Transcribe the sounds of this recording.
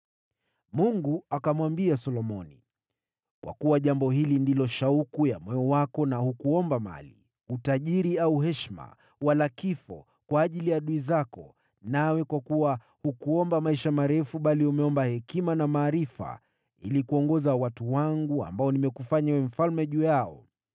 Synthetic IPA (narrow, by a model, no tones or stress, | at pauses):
muŋɡuakamwambiasɔlɔmɔ̰nḭ | kwa̰kuwaʄambɔɦilindilɔʃaukujamwɛɔwakɔnahukuɔmbama̰lḭ | utaʄiɾiauɦɛʃma̰ | walakifɔ̰ | kwaːʄilijaɗuizakɔ | nawɛkwakuwa | hukuɔmbamaiʃamaɾɛfuɓaliumɛɔmbahɛkimanamaːɾifa̰ | ḭlikuɔŋɡɔzawatuwaŋɡua̰mbaɔnimɛkufaɲawɛm̩falmɛʄuːjaɔ